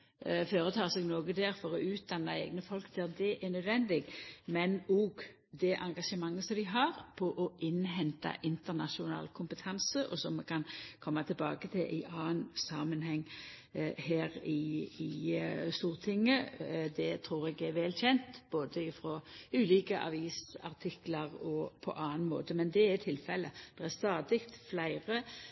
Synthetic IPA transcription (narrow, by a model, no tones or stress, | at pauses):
føːɾət̪ʰɑːsɛɡnoːɡəd̪ɛːɾfɔɾɔʉːt̪̚d̪ɑnːɑɛ̰ːɡnəfɔlkd̪ʰɛd̪ɛʔɛnœd̪ʋɛnd̪ɪɡmɛnoːɡ | d̪ɛʔɑŋɡɑʂəmɑŋːəsɔmd̪ɪɦɑʁpʰɔʔɔʔɪnɦɛnt̪ɑ̰ʔɪnt̪əʁnɑ̰ʂʊnɑ̰ːlkʰʊmpət̪ʰɑnsəʔɔsɔmːɛkʰɑnkʰɔmːɑt̪ʰɪlbɑ̰ːɡət̪ʰɪlʔɪ̰ʔɑːnsɑːmənɦɛŋː | hæːʁɪɪst̪uːʁt̪ʰɪŋːəd̪ɛt̪ʰɾuːɾɛɡæɾʋɛːlçɛnt̪b̥oːd̪əɪfʁoʉːlɪːkəʔɑ̰ʋiːsɑ̰ʁt̪ʰɪklɑʁɔpʰɔ̰ʔɑːnmo̰ːt̪əmɛnd̪ɛæɾt̪ʰɪlfɛlːəd̪̥ɛʁæst̪ɑːd̪ɪkt̪flæɪʁə